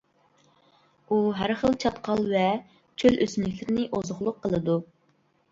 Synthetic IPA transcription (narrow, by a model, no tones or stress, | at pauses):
uɦæɾχəlˠt͡ʃʰɑt̪qʰɑlˠvɛ | t͡ʃʰøløsymlɪkʲlɪɾɪnɪʔozʊχlˠʊqʰːəlˠɨd̪u